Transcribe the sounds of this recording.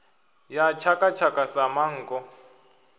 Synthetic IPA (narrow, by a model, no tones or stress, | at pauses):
jat͡ʃʰakʼat͡ʃʰakʼasamaŋ̩ːkɔ